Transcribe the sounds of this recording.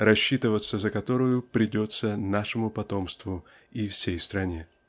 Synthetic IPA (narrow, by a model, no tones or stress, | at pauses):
ɾɐɕːit̪ɨvət̪sːəzəkɐt̪o̞ɾʊjʊpɾʲɪdʲo̞t̪sənaʂɨmʊpɐt̪o̞mst̪vʊ | ifsʲejst̪ɾɐnʲe